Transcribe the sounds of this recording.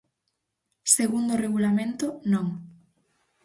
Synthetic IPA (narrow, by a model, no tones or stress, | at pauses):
seɣund̪oreɣulamẽnt̪ʊnõŋ